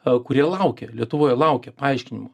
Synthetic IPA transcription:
kʊɾʲiɛlˠɐʊkʲɛlʲiɛt̪ʊʋoːjɛlˠɐʊkʲɛpɐɐɪʃʲkʲɪnʲɪmoː

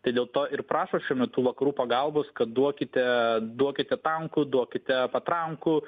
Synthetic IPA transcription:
t̪ɐɪd̪ʲeːlˠt̪oːʔɪɾpɾɑːʃoːʃʲuɔmʲɛt̪t̪uːʋɐkɐɾuːpɐɡɐlˠboːskɐt̪̚d̪uɔkʲɪt̪ʲɛd̪uɔkʲɪt̪ʲɛt̪ɐŋkʊd̪uɔkʲɪt̪ʲɛpɐt̪ɾɐŋkʊ

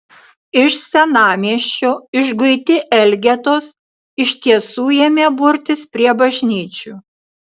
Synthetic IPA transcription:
ɪʃsʲɛnɑːmʲiɛʃʲt͡ʃʲoɪʒɡʊɪt̪ʲɪʔɛlʲɡʲɛt̪oːs | ɪʃʲt̪ʲiɛsuːjɛmʲeːbʊɾʲt̪ʲɪspʲɾʲiɛbɐʒʲnʲiːt͡ʃʲuː

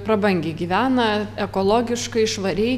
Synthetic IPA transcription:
pɾɐbɐŋʲɡʲeːɡʲiːʋʲæːnɐɛkoːlˠoːɡʲɪʃkɐɪʃʋɐɾʲɛɪ

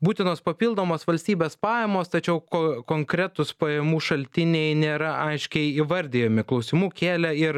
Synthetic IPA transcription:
buːt̪ʲɪnoːspɐpʲiːlˠd̪oːmoːsʋɐlʲsʲt̪ʲiːbʲeːspɑːjɛmoːst̪ɐt͡ʃʲɛʊkokoːŋkɾʲɛt̪ʊspɐjɛmuːʃɐlʲt̪ʲɪnʲejnʲeːɾɐɐɪʃʲkʲɛɪiʋɐɾʲd̪ʲejoːmʲɪklˠɐʊsʲɪmuːkʲeːlʲɛɪɾ

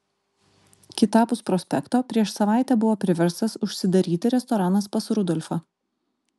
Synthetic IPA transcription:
kʲɪt̪ɑːpʊspɾɔsʲpʲɛkt̪oːpʲɾʲiɛʃsɐʋɑˑɪt̪ʲɛːbʊʋoːpʲɾʲɪʋʲɛɾst̪ɐsʊʃʲsʲɪd̪ɐɾʲiːt̪ʲɪɾʲɛst̪ɔɾɑːnɐspɐsɾʊd̪ɔlʲfɑː

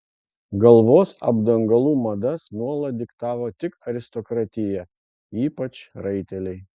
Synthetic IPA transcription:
ɡɐlˠʋoːsɐ̰bd̪ɐŋɡɐlˠuːmɐd̪ɐsnuɔlˠɐd̪ʲɪkt̪ɑːʋoːt̪ʲɪkɐɾʲɪst̪ɔkɾɑt̪ʲɪjɛ | iːpɐt͡ʃɾɐɪt̪ʲɛlʲɛɪ

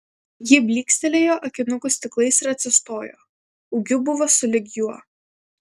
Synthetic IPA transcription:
jɪbʲlʲiːksʲt̪ʲɛlʲeːjoːʔɐkʲɪnʊkʊsʲt̪ʲɪklˠɐɪsɪɾɐt̪ʲsʲɪst̪oːjo̰ː | ʊɡʲʊbʊʋoːsʊlʲɪɡʲjuɔ

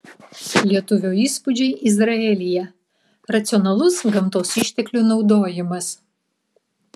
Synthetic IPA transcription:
lʲiɛt̪ʊʋʲuːiːspʊd͡ʒʲɛɪʔɪzɾɐɛlʲɪjɛ | ɾɐt̪sʲɪɔnɐlˠʊsɡɐmt̪oːsɪʃʲt̪ʲɛklʲunɒʊd̪oːjɪmɐs

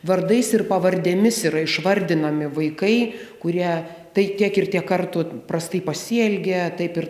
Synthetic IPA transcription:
ʋɐrd̪ɐɪsɪrpɐʋɐɾʲd̪ʲɛmʲɪsiɾɐɪʃʋɐrʲd̪ʲɪnɐmʲɪʋɐɪkɐɪkʊɾʲiɛ | t̪ɐɪt̪ʲiɛkɪrt̪ʲiɛkɐrt̪ʊpɾɐst̪ɐɪpɐsʲiɛlʲɡʲɛt̪ɐɪpɪɾ

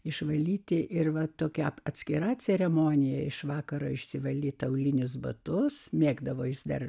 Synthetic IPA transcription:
ɪʃʋɐlʲiːt̪ʲɪʔɪrʋɐt̪oːkʲɛɐtʲsʲkʲɪɾɑt͡sʲɛɾʲɛmoːnʲɪjɛɪʃʋɑːkɐɾoːɪʃʲsʲɪʋɐlʲiːt̪ɐʊlʲɪnʲʊsbɐt̪ʊsmʲeːɡd̪ɐʋoːjɪsd̪ɐ̰r

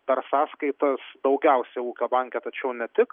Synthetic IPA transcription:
pʲɛɾsɑːskɐɪt̪ɐsd̪ɒʊɡʲɛˑʊsʲɛɪuːkʲoːbɐŋʲkʲɛt̪ɐt͡ʃʲɛʊnʲɛt̪ʲɪk

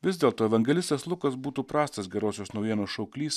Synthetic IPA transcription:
ʋʲɪzd̪ʲeːlˠt̪oːɛʋɐŋʲɡʲɛlʲɪsʲt̪ʲeslˠʊkɐs̬buːt̪uːpɾɑːst̪ɐsɡʲɛɾoːsʲoːsnɒʊjiɛnoːsʃɐʊkʲlʲiːs

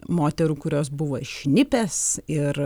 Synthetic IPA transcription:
moːt̪ʲɛɾuːkʊɾʲoːsbʊʋoːɪʃʲnʲɪpʲɛsɪɾ

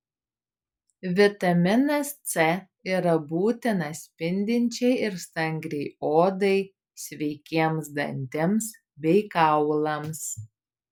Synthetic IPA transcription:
ʋʲɪt̪ɐmʲɪnɐst̪sʲɛ | iːɾɐbuːt̪ʲɪnɐsʲpʲɪnʲd̪ʲɪnʲt͡ʃʲɛɪʔɪɾst̪ɐŋʲɡɾʲɛɪoːd̪ɐɪ | sʲʋʲɛɪkʲiɛmsd̪ɐ̰nʲt̪ʲɪms | bʲɛɪkɑʊlˠɐms

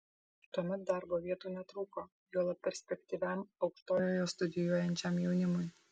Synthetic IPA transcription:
t̪uɔmʲɛt̪̚d̪ɑɾboːʋʲiɛt̪uːnʲɛt̪ɾuːkoː | juːlˠɐp̚pʲɛɾʲsʲpʲɛkʲt̪ʲiːʋʲæˑmɒʊkʃt̪oːjoːjoːst̪ʊd̪ʲɪjuɔjɛnʲt͡ʃʲɛmjɛʊnʲɪmʊj

